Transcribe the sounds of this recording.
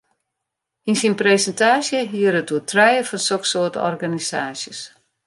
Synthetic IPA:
insinpresɛntaːsjəɦiəɾətuətʰrɛjəfɔnsoksoətɔ̰rɡanisaːsjəs

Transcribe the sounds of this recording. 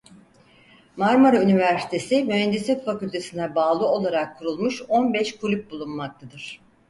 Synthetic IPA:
maɾmoɾaynivæɾsi̥t̪ʰe̞simyɦænd̪isɛt̪facylʲt̪ʰe̞sinɛbaːlˠɯo̞lˠaɾakʰːuɾulˠmuʃo̞nbɛʃkʰulʲyp̚bulˠunmak̚t̪ʰad̪ɯɾ̥

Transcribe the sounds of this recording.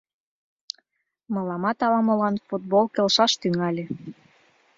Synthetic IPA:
mɤ̆lɑmɑt̪ɑlɑmɤ̆lɑnfut̪̚bolkelʃɑʃt̪yŋɑlʲe

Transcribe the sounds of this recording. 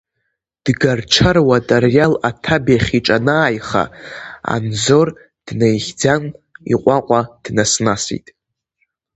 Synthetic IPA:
d̥ɡarʈ͡ʂʰərwatʼarjalatʰabaχʲiʈ͡ʂʼanaːjχa̰a̰nzo̞r | d̥nejχʲd͡zanḭqʷʼaqʷʼad̥nasnasḭtʼ

